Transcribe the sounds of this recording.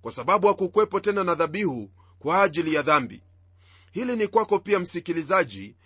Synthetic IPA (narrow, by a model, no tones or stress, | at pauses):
kwasaɓaɓujakukuwɛpɔtɛnanaðaɓihu | kwaːʄilijaðambḭ | hilinikwakɔpiam̩sikilizaʄi